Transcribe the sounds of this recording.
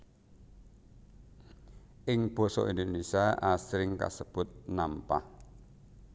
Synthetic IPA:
ʔɪŋb̥ɔ̤sɔ̰ʔind̪onesiaʔasɾɪŋka̰səb̥ʊ̤t̪̚nampa̰h

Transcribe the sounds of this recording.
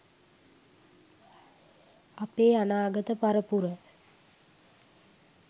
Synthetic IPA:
apeːanaːɡət̪əpaɾəpuɾə

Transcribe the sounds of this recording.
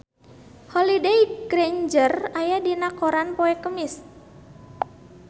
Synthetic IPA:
hɔlidejɡɾend͡ʒərajadinakoɾanpoɛkəmɪs

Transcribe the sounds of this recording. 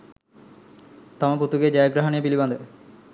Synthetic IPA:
t̪amaput̪uɡed͡ʑajeɡɾaɦaniepiliband̪e

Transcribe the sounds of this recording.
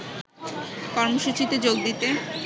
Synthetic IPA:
kɔɾmoʃut͡ɕit̪ed͡ʑoɡ̚d̪it̪e

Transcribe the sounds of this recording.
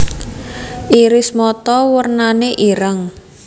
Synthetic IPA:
ʔiɾɪsmɔt̪ɔwərnaneʔiɾəŋ

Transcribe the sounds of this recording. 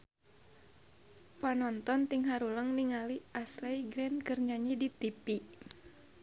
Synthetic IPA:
panɔnt̪ɔnt̪iŋɦaɾuləŋniŋaliaslɛjɡɾɛnkərɲaɲidit̪ipi

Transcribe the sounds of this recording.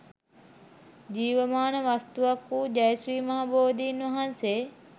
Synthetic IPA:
d͡ʒiːʋəmaːnəʋɐst̪uʋɐkuːd͡ʒɐjsɾiːmaaboːd̪iːnʋɐɦanseː

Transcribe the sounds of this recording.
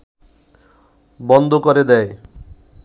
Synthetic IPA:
bɔnd̪ʱokoɾed̪ɛe

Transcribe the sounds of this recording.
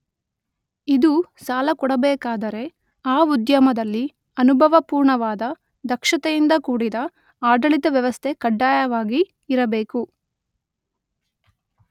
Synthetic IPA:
id̪usaːlɐkɔɽɐbɛːkaːd̪ɐɾe̞ | aːud̪jɐmɐd̪ɐlːi | ɐnubʱɐʋɐpuːɾɳɐʋaːd̪ɐ | d̪ɐkʂɐt̪ejind̪ɐkuːɽid̪ɐ | aːd̪ɐɭit̪ɐʋjɐʋɐst̪ʰe̞kɐɖːaːjɐʋaːɡiː | ɾɐbeːku

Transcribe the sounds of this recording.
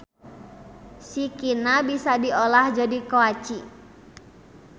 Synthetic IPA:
sikinabisadiolahd͡ʒadikoat͡ʃi

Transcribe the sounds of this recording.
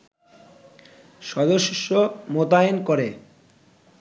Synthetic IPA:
ʃɔd̪oʃʃːomot̪aenkoɾe

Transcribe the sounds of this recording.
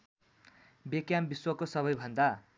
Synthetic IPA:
bekjambiswʌkosʌβʌjbʱʌnd̪a

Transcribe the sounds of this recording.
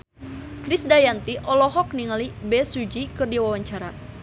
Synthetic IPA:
kɾɪsdajant̪iʔɔlɔɦɔk̚niŋalibɛsud͡ʒikɨrdiwawaɲt͡ʃaɾa

